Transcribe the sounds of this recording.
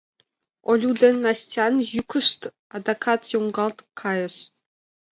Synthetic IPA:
olʲud̪ʲenʲːɑsʲtʲɑnjykʰʲə̆ʂt̪ | ɑd̪ɑkʰɑt̪jomɡɑlˠt̪kʰːɑjɤ̆ʃ

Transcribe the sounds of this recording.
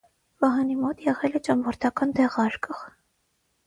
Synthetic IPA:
vɑɦɑnimɔt̪jɛʁɛlɛt͡ʃɑmvɔɾt̪ʰɑkɑnd̪ɛʁɑɾkəʁ

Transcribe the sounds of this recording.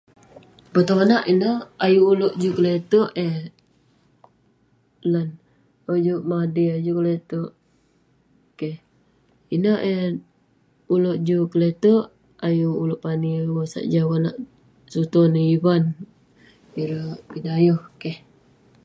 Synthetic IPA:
bət̪oŋanaʔinəajuːloʔd͡ʒukəlet̪uʔeh | lan | od͡ʒuʔmadiad͡ʒukəlet̪uʔ | keh | inəʔe | uloʔd͡ʒukəlet̪uʔ | ajuuloʔpaniwosa̰ʔd͡ʒawanaʔ | sut̪onəiban | iɾəʔpinajohkeh

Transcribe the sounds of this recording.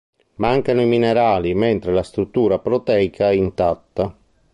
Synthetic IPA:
maŋkanʊimineɾaːliment̪ɾelast̪ɾut̪ːuːɾapɾɔt̪ɛːjkʰaɛint̪at̪ːa

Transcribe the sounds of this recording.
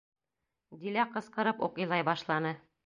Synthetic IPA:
d̪ilæqɤ̆sqɤ̆ɾɤpṵqɤ̆jlˠɑjbɑʃlˠɑnɤ

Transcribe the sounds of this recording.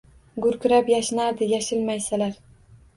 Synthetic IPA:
ɡʊɾkʲʊɾapjaʃɪnaɾd̪ɪjaʃɪlmajsalaɾ

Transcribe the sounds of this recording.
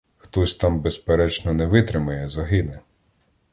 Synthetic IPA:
xt̪ɔsʲt̪ɑmbespeɾɛt͡ʃnɔnɛʋɪt̪ɾɪmɐjɛzɐɦɪnɛ

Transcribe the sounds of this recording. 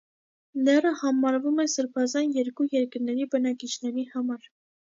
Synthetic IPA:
lɛrəhɑmɑɾvumɛsəɾpʰɑzɑnjɛɾkujɛɾkəɾnɛɾibənɑkit͡ʃʰnɛɾihɑmɑɾ

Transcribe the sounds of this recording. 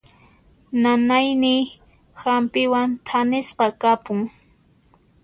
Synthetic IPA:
nanajnɪj | hampɪwant̪ʰanɪsqɑkapʊŋ

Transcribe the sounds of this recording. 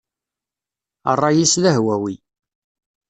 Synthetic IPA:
ə̰rˤːɑjislæɦwæwi

